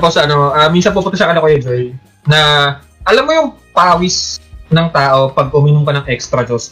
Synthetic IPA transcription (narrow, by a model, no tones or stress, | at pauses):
posɐnoʔɐminsɐnpup̬ʊnt̪ɐʃɐkɐnokojɛd͡ʒoj | nɐ | ʔɐlɐmːojʊŋpaːwɪsnɐŋt̪aːʔo̞pɐɡ̚ʔʊmiːnʊmkɐnɐŋʔɛkst̪ɾɐd͡ʒos